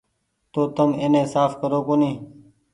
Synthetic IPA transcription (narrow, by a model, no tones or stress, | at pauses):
t̪oːt̪əmeːnẽːsaːfkəɾoːkoːniː